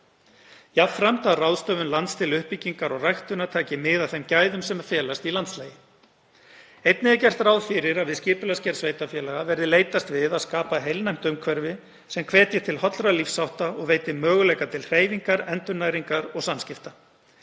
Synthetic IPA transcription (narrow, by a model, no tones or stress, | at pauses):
jafɾamt̪aðrawðst̪œːvʏnlant̪st̪ʰɪlʏhpiciŋkaɾɔɣrajxt̪ʏnat̪ʰaːcɪmɪðaθɛmcajðʏmsɛmafjɛːlast̪ilant̪slaːjɪ | ejt̪nɪacɛr̥t̪ɾawðfɪɾɪɾaðvɪðscɪːpʏlascɛɾsveːjt̪afjɛːlaɣavɛɾðɪleːjt̪ast̪vɪðaðskaːpaɦejlnajm̥t̪ʏmkʰvɛɾvɪ | sɛmkʰvɛːt̪jɪt̪ʰɪlhɔt̪lɾalifsawht̪aɔɣveːjt̪ɪmœːɣʏlɛːjkat̪ʰɪlr̥eːjviŋkaɾɛnt̪ʏnaːjɾiŋkaɾɔɣsanscɪft̪a